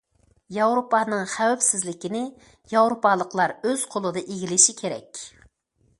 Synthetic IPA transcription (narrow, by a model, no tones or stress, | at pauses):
jɑwɾopɑːnɨŋχæwɛpsɪzlɪkʲinɪ | jɑwɾopɑlˠəqlˠɑɾøz̥qʰolˠɨd̪ɨʔeɡʲilɪʃikʲʰeɾɛ̰kʲ